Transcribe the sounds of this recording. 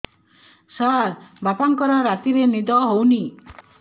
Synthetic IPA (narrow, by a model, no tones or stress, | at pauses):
saɾbapaŋkɔɾaɾat̪iɾenid̪ɔɦowni